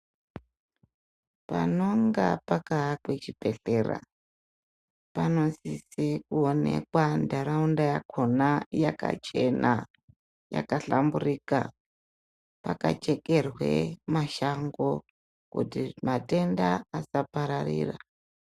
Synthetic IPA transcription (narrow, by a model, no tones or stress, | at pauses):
pano̞ŋɡapakakwet͡ʃipe̞ɬe̞ra̰ | pano̞sisekuone̞̰kwandaɾaundajakʰo̞najaka̰t͡ʃe̞na | ja̰kaɬamburika | pakat͡ʃe̞ke̞rwe̞̰maʃaŋɡo̞ | kutimate̞ndaasapaɾarḭːra